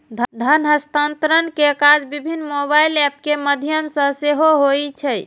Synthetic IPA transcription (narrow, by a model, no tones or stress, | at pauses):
d̪ʱd̪ʱənɦəst̪ant̪ɾənkekad͡ʒbibʱinːmobailɛp̚keməd̪ʱijəmsə̃seɦoɦojt͡ʃʰɛ